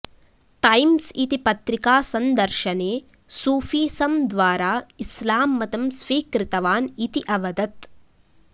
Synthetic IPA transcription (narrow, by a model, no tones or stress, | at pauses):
ʈɐjmsit̪ipɐt̪ɾikaːsɐnd̪ɐɾʃɐneː | suːfiːsɐmd̪ʋaːɾaːislaːmːɐt̪ɐmsʋiːkɾɪt̪ɐʋaːnit̪iʔɐʋɐd̪ɐt̪